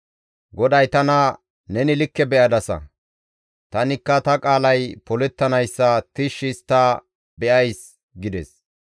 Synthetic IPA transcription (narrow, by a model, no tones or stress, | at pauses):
ɡɔd̪ɐjt̪ɐnɐ | nɛnɪlɪkːɛbɛʔɐd̪ɐsɐ̰ | t̪ɐnɪkːɐt̪ɐkʼaːlɐjpɔlɛt̪ːɐnɐjsːɐt̪ɪʃɪst̪ːa | bɛʔɐjs | ɡɪd̪ɛs